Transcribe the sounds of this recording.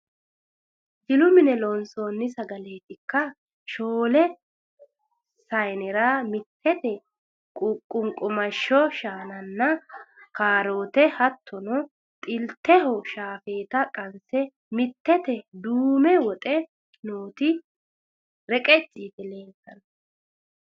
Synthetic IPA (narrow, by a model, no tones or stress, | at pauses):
d͡ʒɪlʊmɪnɛlɔnsoːnːɪsɐɡɐleːt̪ɪkːɐ | ʃoːlɛ | sɐjnɛɾaːmɪt̪ʰːɛt̪ɛ | kʼʊkʼːʊŋkʼʊmɐʃːɔʃaːnɐnːɐkaːɾoːt̪ɛhɐt̪ʰːɔnɔ | t̪ʼɪlt̪ːɛɦɔʃaːfeːt̪ɐkʼɐnsɛ | mɪt̪ːɛt̪ɛd̪uːmɛwɔt̪ʼɛ | noːt̪ɪ | ɾɛkʼɛt͡ʃʼːiːd̪ɛle̞ːŋkːɐnɐ